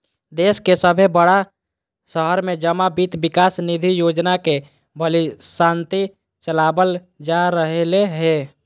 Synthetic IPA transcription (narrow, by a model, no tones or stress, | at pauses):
d̪eːskesəbʱebəɽa | səɦəɾmẽd͡ʒəmabit̪bɪkaːsnid̪ʱijod͡ʒnake | bʱəlisãːnt̪i | t͡ʃəlabəl | d͡ʒaɾəɦeleɦe